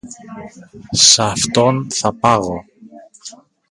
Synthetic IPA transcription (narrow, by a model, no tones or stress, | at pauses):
sɐft̪o̞nθɐpɐɣo̞